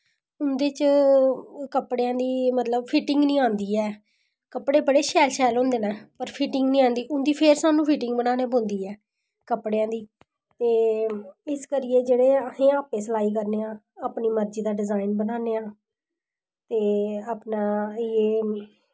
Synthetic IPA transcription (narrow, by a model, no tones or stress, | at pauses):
ʊnd̪eːt͡ʃ | kəpɽeãːd̪iːmət̪ləbfʰiːʈɪŋɡnĩːãːnd̪iːɛː | kəpɽeːbəɽeːʃɛːlʃɛːlɦõːnd̪eːnãːpəɾpʰiːʈɪ̃ŋɡnĩːãːnd̪iːʔʊnd̪iːpʰeɾsaːnũːpʰiːʈɪ̃ŋɡbənaːneːbõːnd̪iːɛː | kəpɽejãːd̪iː | t̪eː | ɪskəɾɪjeːd͡ʒeːɽeːəhẽːaːpeːsəlaːiːk̬əɾneːãː | aːpniːməɾd͡ʒiːd̪aːɖɪzaːɪnbənaːneːãː | t̪eːaːpnaːeː